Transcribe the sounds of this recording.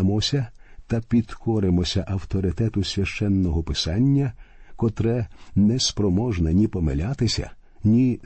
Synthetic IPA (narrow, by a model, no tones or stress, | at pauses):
mɔsʲɐt̪ɐpʲid̪̥kʰɔɾɪmɔsʲɐʔɐwt̪ɔɾɪt̪ɛt̪ʊsʲʋʲɐʃt͡ʃɛnːɔɦɔpɪsɑnʲːɐkɔt̪ɾɛnɛspɾɔmɔʒnɐnʲipɔmḛlʲat̪ɪsʲɐ̰ | nʲi